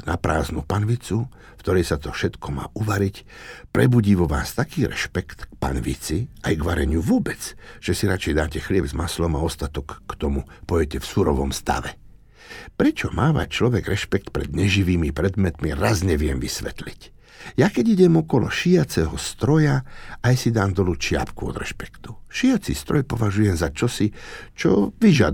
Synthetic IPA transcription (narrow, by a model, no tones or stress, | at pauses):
na̰pɾʔa̰ːznupanʋit͡su | ft̪ɔɾɛjsat̪ɔfʃɛt̪kʰɔma̰ːʔuʋaɾic | pɾɛbuɟiːʋɔʋa̰ːst̪akiːɾʔɛ̰ʃpɛkt̪k̚pa̰nʋḭt͡siajɡʋaɾɛɲɪuʋʊɔbɛt͡sʒ̥ɛsiɾat͡ʃɛjd̪aːcɛxlɪɛbzmaslɔmaɔst̪at̪ɔkːt̪ɔmupɔɛcɛfsuɾɔʋɔmst̪a̰ʋɛ | pɾɛt͡ʃɔmaːma̰c̚t͡ʃlɔʋɛɡɾɛʃpɛk̚t̪pɾɛ̰d̪ɲɛʒiʋiːmipɾɛd̪mɛt̪miɾazɲɛʋɪɛmʋisʋɛt̪lic | jakɛɟiɟɛmɔkɔlɔ̰ʃijat͡sɛɦɔst̪ɾɔjaajsid̪aːmd̪ɔlut͡ʃɪa̰pkuɔ̰d̪ɾɛ̰ʃpɛ̥kt̪u̥ʃijat͡sḭst̪ɾɔjpɔʋaʒujɛmzat͡ʃɔsit͡ʃɔ̰ʋiʒad̪